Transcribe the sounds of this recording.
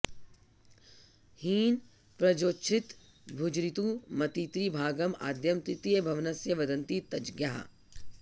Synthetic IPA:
hiːn | pɾɐd͡ʒoːt͡ʃʰɪt̪ | bʱud͡ʒɾit̪ũmɐt̪it̪ɾibʱaːɡɐma̰ːd̪jɐmt̪ɾɪt̪ijəbʱɐʋnɐsjɐʋɐd̪ɐ̃nt̪it̪ɐd͡ʒɡjaːɦa̰

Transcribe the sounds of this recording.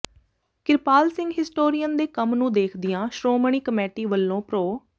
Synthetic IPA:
kɪɾpaːlsɪ̃ŋɡɦɪsʈoːɾijənd̪eːkəmnũːd̪eːkʰd̪ɪjãːʃɾoːməɳ̃iːkəmɛːʈiːʋəlːõːpɾoː

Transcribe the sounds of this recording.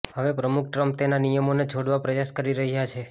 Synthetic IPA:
həʋepɾəmuk̚ʰʈɾəmpt̪enanijəmoned͡ʒʰʱoɽʋapɾəjaʃkəɾiɾəɦijat͡ʃʰe

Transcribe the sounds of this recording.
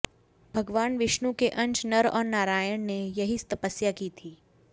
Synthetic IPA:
bʱɐɡʋaːnʋɪʃnukeʔɐ̃ɲt͡ʃnɐɾɔ̰ːɾnaːɾaːjəɽ̃nejɐɦist̪ɐpəsjakit̪ʰiː

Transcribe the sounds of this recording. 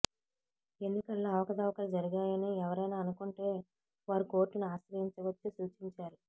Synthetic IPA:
e̞nːikɐlːoːɐʋɐkɐd̪ɐʋɐkɐlud͡ʒɐɾiɡaːjɐniɛʋɐɾɐjnaːɐnukuɳʈe̞ː | ʋaːɾuko̞ːɾʈːunuaːʃɾɐɦiɲt͡ʃɐʋɐt͡ʃːisuːt͡ʃiɲt͡ʃaːɾu

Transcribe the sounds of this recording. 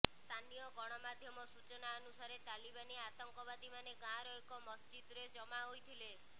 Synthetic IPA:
st̪ʰanijɔɡɔɽ̃ɔmad̪ʱjɔmɔsut͡ʃɔnaɔnusaɾet̪alibaneat̪ɔŋkɔβad̪imaneɡãɾɔɦikɔmɔst͡ʃid̪ɾed͡ʒɔmaɦojt̪ʰile

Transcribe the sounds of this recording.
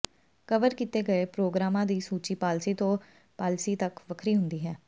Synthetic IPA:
kəʋəɾkit̪eːɡəeːpɾoːɡɾaːmãːd̪iːsuːt͡ʃiːpaːlsiːt̪õː | paːlsiːt̪əkʋəkʰɾiːɦʊnd̪iːɦɛː

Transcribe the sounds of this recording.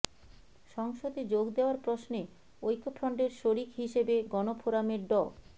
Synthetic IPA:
ʃɔŋʃod̪ed͡ʑoɡd̪eoaɾpɾosne | ojkʰːopʰɾɔɳɖeɾʃoɾikɦiʃebeɡɔnopʰoɾameɾɖɔ

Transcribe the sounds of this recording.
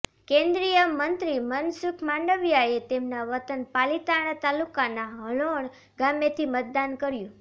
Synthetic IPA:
kẽnd̪ɾijəmənt̪ɾimənsukʰmaɳɖəʋjaet̪emnaʋət̪ənpalit̪aɽ̃at̪alukanaɦəɭoɳ | ɡamet̪ʰimət̪̚d̪ankəɾjũ

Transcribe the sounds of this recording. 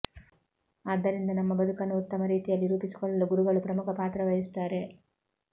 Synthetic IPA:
aːd̪ːɐɾind̪ɐnɐmːɐbɐd̪ukɐnːuut̪ːɐmɐɾiːt̪ijɐlːiɾuːpisi̥kɔɭːɐluɡuɾuɡɐɭupɾɐmukʰɐpaːt̪ɾɐʋɐjist̪aːɾe̞

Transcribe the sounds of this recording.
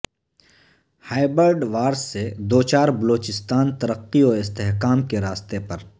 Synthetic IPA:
haːɪbəɾɖʋaːɾsːed̪oːt͡ʃaːɾbɐloːt͡ʃɪst̪aːnt̪ɐɾəqːiɔɪst̪eɦkaːmkeɾaːst̪epɐɾ

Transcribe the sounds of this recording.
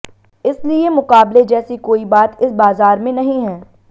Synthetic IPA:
ɪsliemʊkaːbled͡ʒɛːsikoːibaːt̪ɪsbaːzaːɾmẽnɐɦĩɦɛː

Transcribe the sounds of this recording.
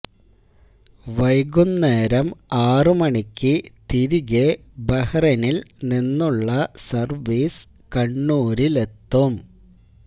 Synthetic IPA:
ʋɐjɡunːeːɾɐmaːrɨmɐɳikʲːɨt̪iɾiɣe | bɐhɐrɐnilninːuɭːɐsɐrʋiːs | kɐɳːuːɾile̞t̪ːum

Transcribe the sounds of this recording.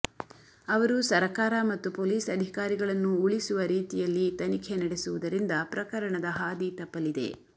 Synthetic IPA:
ɐʋɐɾusɐɾkaːɾɐmɐt̪ːupoːliːsɐd̪ʱikaːɾiɡɐɭɐnːuːɭisuʋɐɾiːt̪ijɐlːit̪ɐnikʰenɐɽesuʋud̪ɐɾind̪ɐpɾɐkɐɾɐɳɐd̪ɐɦaːd̪it̪ɐpːɐlid̪e̞̰

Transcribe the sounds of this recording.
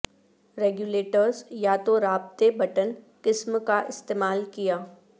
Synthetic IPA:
ɾeːɡjuːleːʈəɾzjat̪oɾaːb̚t̪ebɐʈən | kɪsmkaʔɪst̪eːmaːlkijaː

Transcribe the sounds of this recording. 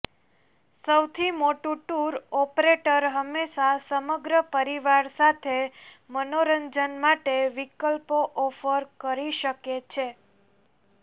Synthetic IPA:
səwt̪ʰimoʈuʈuɾɔpɾeʈəɾɦəmːeʃasəməɡɾəpəɾiʋaɾsat̪ʰe | mənoɾəɲd͡ʒənmaʈeʋikəlpoʔɔfəɾkəɾiʃəket͡ʃʰe

